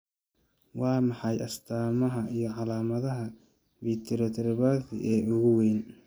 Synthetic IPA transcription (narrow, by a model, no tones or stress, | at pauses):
wɑːmɑħɑjɐst̪ʰaːmɐɦɐijɞʕɑlaːmɐðɐɦɐ | biːt̪ʰɪɾɔt̪ʰɛɾβaːθɪ̰ʔɛːʊɣʊweːn